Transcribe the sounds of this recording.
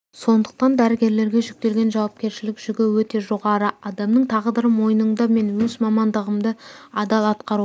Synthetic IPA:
so̞nd̪əq̚t̪ɑnd̪æɾɪɡʲe̞ɾle̞ɾɡʲe̞ʒʏk̚t̪e̞lɡʲe̞nʒɑwɑp̚kʲe̞ɾʃɪlɪkʒ̥ʏɡʲɪwɵt̪e̞ʒo̞ʁɑɾəɑd̪ɑmnəɴt̪ʰɑʁd̪əɾəmo̞jənəɴd̪ɑme̞nwɵzmɑmɑnd̪əʁəmd̪əɑd̪ɑlˠɑt̪qɑɾu

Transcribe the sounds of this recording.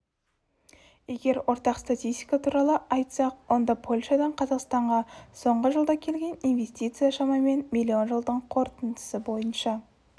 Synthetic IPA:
je̞ɡʲe̞ɾwʔo̞ɾt̪ɑqst̪at̪ʲijst̪ʲijkat̪ʰuɾɑlˠəʔɑjt̪sɑq̚wo̞nd̪ɑpʰo̞lʲʃɑd̪ɑɴqʰɑzɑqst̪ɑɴʁɑso̞ɴʁəʒəlˠd̪ɑkʲʰe̞lɡʲe̞nijnve̞st̪it̪sɨjaʃɑmɑme̞nmilʲːio̞nʒəlˠd̪əɴqʰo̞ɾt̪ənd̪ə̥səbo̞jənʃɑ

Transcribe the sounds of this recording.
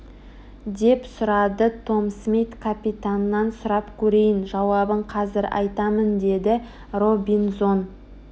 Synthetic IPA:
d̪e̞psʊɾɑd̪ət̪ʰo̞msmʲejt̪kʰapʲit̪anːɑnsʊɾɑpkʲʰɵɾe̞jɪnʒɑwɑbəɴqʰɑzɪɾɑ̰jt̪ɑmənd̪e̞d̪ɪ | ro̞bʲinzo̞n

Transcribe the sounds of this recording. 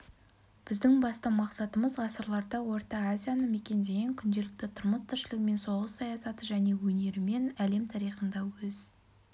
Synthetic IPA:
b̥ɪzd̪ɪŋbɑst̪əmɑqsɑt̪əməzʁɑsəɾlˠɑɾd̪ɑwo̞ɾt̪ɑazʲijanəme̞kʲe̞nd̪e̞ɡʲeŋkʲʰʏnd̪e̞lɪk̚t̪ɪt̪ʰʊɾməst̪ʰɪɾʃɪlɪkme̞nso̞ʁəsːɑjɑsɑt̪əʒæne̞wɵne̞ɾɪme̞næle̞mt̪ʰɑɾijχənd̪ɑwɵz

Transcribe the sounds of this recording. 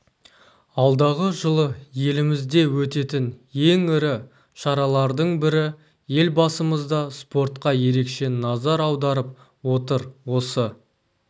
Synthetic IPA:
ɑlˠd̪ɑʁəʒəlˠəje̞lɪmɪzd̪e̞wɵt̪e̞t̪ɪnje̞ŋɪɾɪ | ʃɑɾɑlˠɑɾd̪əɴbɪɾɪ | je̞lbɑsəməzd̪ɑspo̞ɾt̪qɑje̞ɾe̞kʃe̞nɑzɑɾɑwd̪ɑɾəp̚ | wo̞t̪əɾwo̞sə

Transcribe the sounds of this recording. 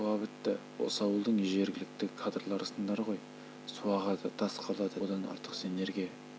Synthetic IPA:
ɑbɪt̪ːɪ | wo̰sɑwəlˠd̪əɴʒe̞ɾɡʲɪlɪk̚t̪ɪkʰad̪rlˠɑɾsənd̪ɑɾʁo̞j | suɑʁɑd̪ət̪ʰɑsqʰɑlˠɑd̪əd̪ɑnɑ̰ɾt̪ʰə̥qse̞ne̞ɾɡʲje

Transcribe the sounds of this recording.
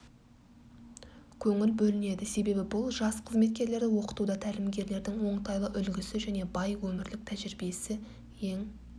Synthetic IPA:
kʲʰɵŋɪlbɵlɪne̞d̪ɪse̞be̞bɪbʊlˠʒɑsqʰəzme̞t̪̚kʲe̞ɾle̞ɾd̪ɪwo̞qə̥t̪ud̪ɑt̪ʰælɪmɡʲe̞ɾle̞ɾd̪ɪŋwo̞ɴt̪ɑjlˠəʔʏlɡʲɪsɪʒæne̞bɑjwɵmɪɾlɪk̚t̪ʰæʒɪɾbiesɪ | e̞ŋ

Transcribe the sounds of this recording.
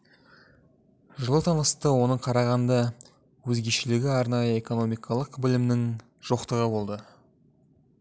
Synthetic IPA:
ʒəlˠət̪ʰɑnəst̪əwo̞nəɴqʰɑɾɑʁɑnd̪ɑ | wɵzɡʲe̞ʃɪlɪɡʲɪɑɾnɑjəe̞ko̞no̞mijkʰɑlˠəqbɪlɪmnɪŋ | ʒ̥o̞qt̪əʁəbo̞lˠd̪ə

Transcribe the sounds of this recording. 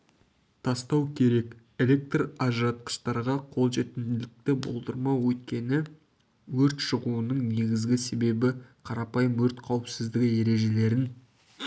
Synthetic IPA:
t̪ʰɑst̪ɑwkʲʰe̞ɾe̞k | e̞lʲe̞k̚t̪rɑʒrɑt̪̚qə̥ʃt̪ɑɾʁɑqʰo̞lˠʒe̞t̪ɪnd̪ɪlɪk̚t̪ɪbo̞̰lˠd̪əɾmɑwɵt̪kʲe̞nɪ | wɵɾt̪ʃəʁuənəɴne̞ɡʲɪzɡʲɪse̞be̞bɪqʰɑɾɑpɑjəmwɵɾt̪qʰɑwəpsɪzd̪ɪkʲe̞ɾe̞ʒe̞le̞ɾɪn

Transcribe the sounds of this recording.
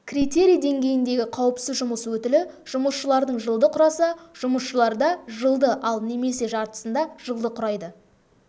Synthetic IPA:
kʲrit̪e̞ɾʲijd̪e̞ŋɡʲe̞jɪnd̪e̞ɡʲɪqʰɑwəpsɪzʒʊməswɵt̪ɪlɪʒ̥ʊməsʃəlˠɑɾd̪əɴʒəlˠd̪əqʰʊɾɑsɑʒ̥ʊməsʃəlˠɑɾd̪ɑʒəlˠd̪əʔɑlˠne̞me̞se̞ʒɑɾt̪ə̥sənd̪ɑʒ̥əlˠd̪əqʰʊɾɑjd̪ə

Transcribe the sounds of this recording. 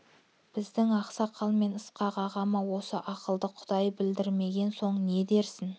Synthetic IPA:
b̥ɪzd̪ɪŋɑqsɑqʰɑlˠme̞nəsqɑʁɑʁɑmɑwo̞səʔɑqəlˠd̪əqʰʊd̪ɑjbɪld̪ɪɾme̞ɡʲe̞nso̞ɴne̞d̪e̞ɾsɪn

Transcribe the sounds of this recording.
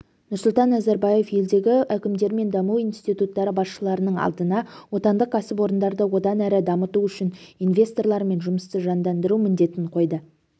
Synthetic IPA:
nʊɾsʊlˠt̪ɑnːæzæɾbɑje̞fje̞ld̪e̞ɡʲɪʔækʲɪmd̪e̞ɾme̞nd̪ɑmuwinst̪it̪ut̪ːɑɾəbɑsʃəlˠɑɾənəɴɑ̰lˠd̪ənɑwo̞t̪ɑnd̪əqqʰæsɪpwo̞ɾənd̪ɑɾd̪əwo̞d̪ɑnæɾɪd̪ɑmət̪uʏʃɪnijnvʲe̞st̪o̞rlˠɑɾme̞nʒʊməst̪əʒɑnd̪ɑnd̪əɾumɪnd̪e̞t̪ɪɴqʰo̞jd̪ə

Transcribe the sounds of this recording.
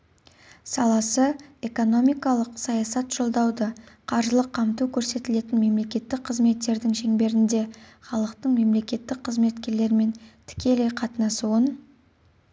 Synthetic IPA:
sɑlˠɑsəe̞ko̞no̞mijkɑlˠəqsɑjɑsɑt̪ʒ̥o̞lˠd̪ɑwd̪əqʰɑɾʒəlˠəqʰːɑmt̪ukʲʰɵɾse̞t̪ɪle̞t̪ɪnme̞mle̞kʲe̞t̪ːɪk̚qʰəzme̞t̪ːe̞ɾd̪ɪŋʃe̞ŋbe̞ɾɪnd̪e̞χɑlˠəqt̪əɴme̞mle̞kʲe̞t̪ːɪk̚qʰːəzme̞t̪kʲe̞ɾle̞ɾme̞nt̪ʰɪ̥kʲe̞le̞jqʰɑt̪ənɑsuən

